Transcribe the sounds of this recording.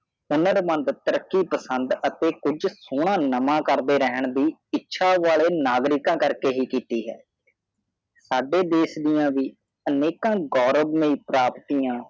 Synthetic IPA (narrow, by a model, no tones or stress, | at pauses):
ʊnəɾmə̃nd̪t̪əɾəkːiːpəsənd̪ət̪eːkʊd͡ʒsoːɳãːnəmãːkəɾd̪eːɾɛɦəɳd̪iːɪtːʃʰaːʋaːleːnaːɡɾɪkãːkəɾkeːɦiːkiːt̪iːɦɛ̰ː | saːɖeːd̪eːsd̪ɪjãːʋiː | əneːkãːɡɔːɾəbmẽiːpɾaːpt̪iːãː